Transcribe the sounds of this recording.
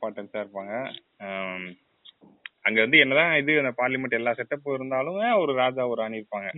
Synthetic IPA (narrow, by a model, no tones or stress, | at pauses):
paːʈːɐnsaːɪɾɯpːaːŋɡɐ | ɐŋɡeːʋɐnd̪ɯɛnːɐt̪ãːɪðɯɐnd̪ɐpaːɾlɪmɐʈːɛlːaːsɛʈːɐpːɯɪɾɯnd̪aːlɯmeɐɔɾɯɾaːd͡ʒaːʋɔɾaːɳɪɾɯpːaːŋɡɐ